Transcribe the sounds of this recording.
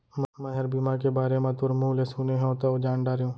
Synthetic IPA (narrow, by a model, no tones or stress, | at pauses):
mmɛ̃ɦɐɾbimaːkebaːɾemãt̪ʊɾmuːlesuːneɦɛ̃ot̪aod͡ʒaːnɖaːɾjũː